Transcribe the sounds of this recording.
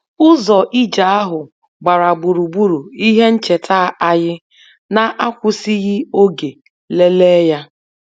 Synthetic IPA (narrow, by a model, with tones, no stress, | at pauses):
ʊ˦zɔ˨ʔi˦d͡ʒa˨a˦ɦʊ˨ | ɡ͡ba˨ɾa˨ɡ͡bu˨ɾu˨bu˦ɾu˨i˦ɦe˦n̩˦t͡ʃe˨tʰa˦˨a˦ɣɪ˦ | na˦ʔa˦kʷʊ˦si˦ɣɪ˦o˦ɡe˨ | le˦leː˦ja˦